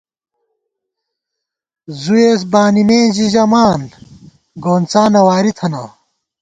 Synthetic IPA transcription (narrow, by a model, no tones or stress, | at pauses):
zueːs̬baːnimẽːʑiʑɐmaːn | ɡoːnt͡saːnɐwaːɾit̪ʰɐnɐ̰